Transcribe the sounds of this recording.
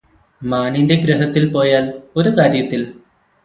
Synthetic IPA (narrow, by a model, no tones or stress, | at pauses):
maːnindeɡɾɐɦɐt̪ːilpo̞ːjaːlo̞ɾukaːɾjɐt̪ːil